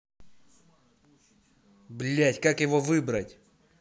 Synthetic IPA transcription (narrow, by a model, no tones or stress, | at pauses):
blʲætʲkakjɪvovɨbɾətʲ